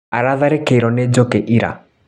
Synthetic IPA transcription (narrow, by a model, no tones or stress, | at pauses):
aɾaðaɾekeiɾɔned͡ʒokeʔiɾa̰